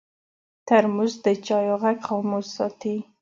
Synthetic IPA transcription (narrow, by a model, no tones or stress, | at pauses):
t̪aɾmuzd̪ət͡ʃɑjoɣakχɑmosːɑt̪i